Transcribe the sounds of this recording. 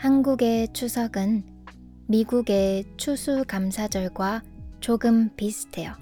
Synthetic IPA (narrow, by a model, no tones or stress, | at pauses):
hanɡuɡe̞t͡ɕʰusʰʌɡɯn | miɡuɡe̞t͡ɕʰusʰukamsʰad͡ʑʌɭɡwa | t͡ɕoɡɯmpisʰɯ̥tʰejʌ